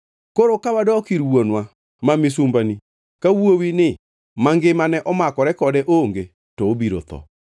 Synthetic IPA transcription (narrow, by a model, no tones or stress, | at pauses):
koɾokaβadɔɔkiɾwɔnwa | mamisumbani | kawwowine | maŋɡemanɛʔɔmakɔɾɛkɔdɛʔoŋɡe | tobiɾo̰t̪ɔ̰